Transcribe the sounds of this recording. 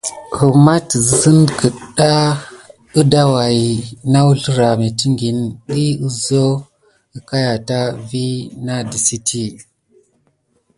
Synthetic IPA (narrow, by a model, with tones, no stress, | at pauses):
hu˨ma˦tzə˨sə˦nkə˨ɗa˦ | ə˦da˦wa˨i˨na˦wu˦ɬɾa˨mi˨ti˦ŋɡi˨nɗi˦u˨zo˦ | ə˨ka˦ja˨ta˦vi˦na˦di˨si˦tʰi˦